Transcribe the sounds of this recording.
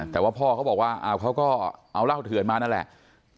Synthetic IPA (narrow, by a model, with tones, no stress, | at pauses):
t̪ɛː˨˩waː˥˩pʰɔː˥˩kʰa˦˥wbɔː˨˩kwaː˥˩ʔa̰ː˧˩wkʰa˦˥wkɔː˥˩ʔa˧wlaː˥˩wt̪ʰɯ˨˩˦nmaː˧na˥˩˨lɛ̰˨˩ʔ